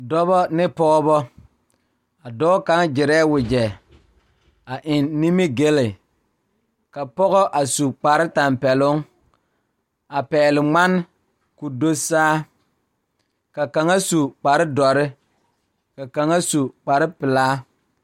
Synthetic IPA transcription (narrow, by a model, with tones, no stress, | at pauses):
dɔ˦bɔ˦nɪ˦pɔ˦bɔ˦ | a˨dɔː˦ka˨˦ŋd͡ʒɪ˨ɾɛː˦wʊ˨d͡ʒɛ˨ | a˨ʔɪ˨nːi˦mi˦ɡe˦lɪ˨ | ka˨pɔ˦ɣɔ˦ʔa˨su˨k͡pa˨ɾɪ˦ta˨mpɛ˨lʊ˦ŋ | a˨pɛː˨lɪ˨ŋ͡ma˦n˦ | ku˨do˦saː˦ | ka˨ka˨ŋa˦su˨k͡pa˨ɾɪ˦dɔ˨ɾɪ˦ | ka˨ka˨ŋa˦su˨k͡pa˨ɾɪ˦pɪ˨laː˦